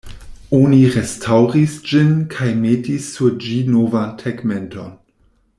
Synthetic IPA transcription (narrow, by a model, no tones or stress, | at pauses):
oniɾestʰawɾisd͡ʒinkʰajmetisːuɾd͡ʒinovantʰeɡmenton